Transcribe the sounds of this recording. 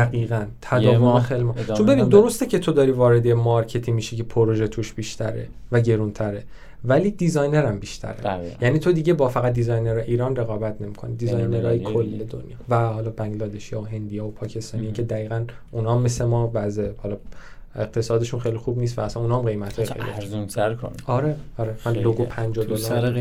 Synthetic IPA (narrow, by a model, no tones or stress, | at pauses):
æɣiːɣænt̪ʰæd̪ɒːvonxelmɒːt͡ʃombeinid̪o̞ɾost̪ecʰe̞t̪ʰo̞d̪ɒːɾiːvɒːɾe̞d̪emɒɾcʰe̞t̪ʰiːmiːʃicepʰoɾoʒet̪ʰuʃb̥iːʃt̪ʰæɾe̞̰ | væɟe̞ɾunt̪ʰæɾe | væliːd̪izɒjne̞ɾæmbiʃt̪ʰæ̰ɾæ̰jæniːt̪ʰo̞d̪iɟe̞bɒːfæɣæt̪̚d̪izɒjneɾæʔiːɾɒːnre̞ɣɒːbæt̪ʰne̞miːkʰo̞̰nid̪izɒjneɾɒːjekʰolːed̪o̰njɒːvæhɒːlɒːbæŋɡlɒːd̪e̞ʃijɒoɦe̞nd̪ijɒːopʰɒːcʰe̞st̪ɒːniiːcʰe̞d̪æiːɣæn | ʔunɒːmːesemɒːvæzehɒlɒːeɡ̚t̪ʰe̞sɒːd̪e̞ʃunxejlixubnist̪væːsænunɒːmɡe̞jmæt̪ʰhɒːjeḛlḭzunt̪ʰæɾkʰoɒɾeɒɾemænloɡopʰænd͡ʒod̪olːɾ